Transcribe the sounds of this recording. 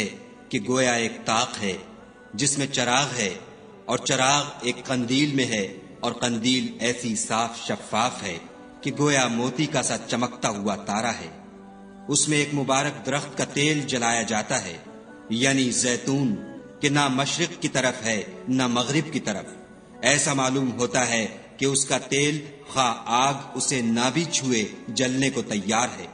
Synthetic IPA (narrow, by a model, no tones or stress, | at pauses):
ɛ | keɡoːjaeːk̚t̪aːqɦɛ | d͡ʒɪsmẽt͡ʃɐɾaːɣɦɛ | ɔːɾt͡ʃɐɾaːɣeːkqɐ̃nd̪iːlmẽɦɛ | ɔːɾqɐ̃nd̪iːlɛːsisaːfʃɐfːaːfɦɛ | keɡoːjamoːt̪ikasat͡ʃɐmək̚t̪aɦuat̪aːɾaɦɛ̰ː | ʊsmẽːkmʊbaːɾək̚d̪ɐɾəxt̪̚kat̪eːld͡ʒɐlaːjad͡ʒaːt̪aɦɛ̰ː | jaːnizɛːt̪uːnkenamɐʃɾɪq̚kit̪ɐɾəfɦɛnamɐɣɾɪb̚kit̪ɐɾə̰f | ɛːsamaːluːmɦoːt̪aɦɛ | keʊskat̪eːl | xaːaːɡʊsenabʱit͡ʃʰued͡ʒɐlnekot̪ɐjːaːɾɦɛ̰ː